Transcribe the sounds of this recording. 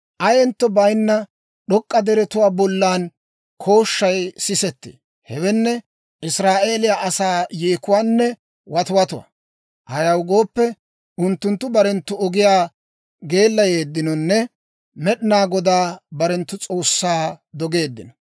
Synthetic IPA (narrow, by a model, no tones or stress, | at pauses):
ʔɐjɛnt̪ːɔbɐjnːɐ | ɗɔkʼːɐd̪ɛɾɛt̪ʊwaːbɔlːaːn | kʰo̞ːʃːɐjsɪsɛt̪ːɪ̰ | hɛwɛnːɛ | ʔɪsɾaːʔe̞ːlɪjaʔɐsaːjeːkʊwaːnːɛ | wɐt̪ʊwɐt̪ʊwɐ̰ | ʔɐjɐwɡo̞ːpːɛ | ʊnt̪ːʊnt̪ːʊbɐɾɛnt̪ːʊɔɡɪjaː | ɡe̞ːlːɐje̞ːd̪ːɪnɔnːɛ | mɛɗɪnaːɡɔd̪aːbɐɾɛnt̪ːʊt͡sʼo̞ːsːaːd̪ɔɡe̞ːd̪ːɪnɔ̥